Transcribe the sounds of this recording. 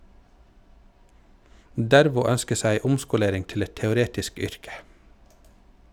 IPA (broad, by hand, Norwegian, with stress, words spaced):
ˈdæɾʋʊ ˈœnskə ˈsæɪ ˈʊmskʊˌleːɾɪŋ ˈtɪl ˈɛt tɛʊˈɾeːtɪsk ˈʏɾkə